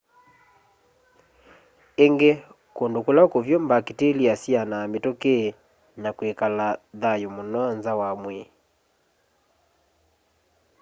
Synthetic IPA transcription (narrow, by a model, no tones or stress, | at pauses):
eŋɡe | kondokolakovjombaketeliasianaːmetoke | nakwekalaðajomonɔnzawamwe